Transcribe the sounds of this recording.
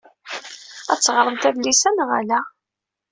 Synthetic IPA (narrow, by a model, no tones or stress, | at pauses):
æt͡sːʁɾˤəðˤt̪æðlisænʁalæ